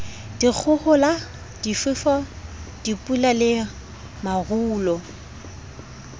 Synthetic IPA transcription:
d̥ik͡xʰʊhʊla | d̥ifɪfɔd̥ipʼulalɪ | maɣuːlɔ

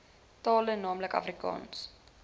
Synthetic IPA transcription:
tɑːlənɑːmləkɐ̰frikɑ̰ːns

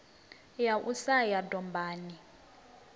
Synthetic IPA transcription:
jaʔusajadɔmbʱaːni

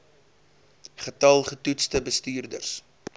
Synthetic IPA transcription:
χətɐlˠχətutstəbəstyːrdərs

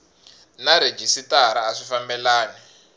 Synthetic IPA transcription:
naɾed͡ʒisitaɾaːʂifambɛlaːnɛ

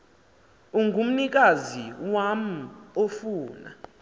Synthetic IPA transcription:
uŋʱum̩nik̬ʼaziwam̩ofuːna̰

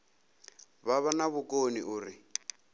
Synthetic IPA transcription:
βaβanaβʊkʼoniʔuːɾi

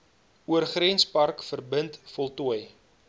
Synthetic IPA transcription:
uərχrɛnspɐrkfərbəntfɔlˠtuəj

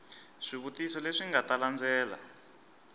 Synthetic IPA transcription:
ʂiβutisɔleʂiŋɡataland͡zʱɛːla̰

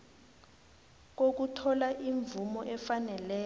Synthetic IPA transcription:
k̬ok̬utʰɔlaʔiɱvumɔʔɛfanɛlɛː

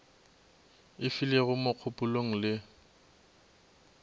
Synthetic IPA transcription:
ɪfileɣʊmoq͡χʰʊpʼʊloŋ̩lɪ

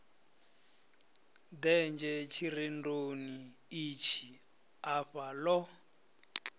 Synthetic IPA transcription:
dɛnd͡ʒɛt͡ʃʰirindoni | it͡ʃʰi | aɸalɔ

